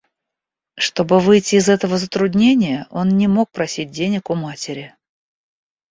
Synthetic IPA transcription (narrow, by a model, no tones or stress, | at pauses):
ʂt̪o̞bɨvɨjtʲɪːzɛt̪əvəzət̪ɾʊd̪ʲnʲenʲɪjəʔo̞nnʲɪmo̞k̚pɾɐsʲit̚ʲdʲenʲɪkʊmatʲɪɾʲɪ